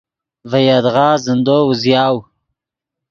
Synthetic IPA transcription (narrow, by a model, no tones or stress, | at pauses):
vajad̪ʁɑːzɪnd̪oːwzjɑːw